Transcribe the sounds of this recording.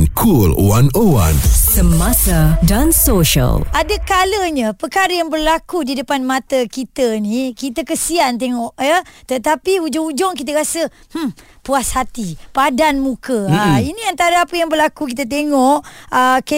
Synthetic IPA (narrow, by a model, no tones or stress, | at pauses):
nkʰulwanəwa̰nsəmasadansoʃə̰lʔadəkaləɲapəkaɾəjaŋbərlakudidəpanmat̪əkit̪ənikit̪akəsiant̪̬eŋɔʔjət̪ət̪apiud͡ʒɔŋud͡ʒɔŋkit̪əɾasə | m̩ | puashat̪ipadanmũkəiniant̪aɾaapəjaŋbərlakukit̪at̪̬eŋɔʔək